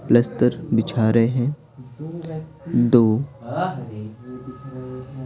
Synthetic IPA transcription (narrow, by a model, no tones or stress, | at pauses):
plɐst̪əɾbɪt͡ʃʰaːɾəɦɛ̃ | d̪oː